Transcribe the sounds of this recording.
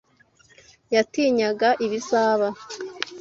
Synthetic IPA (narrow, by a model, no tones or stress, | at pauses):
jatiːɲaɡaʔiβisaːβa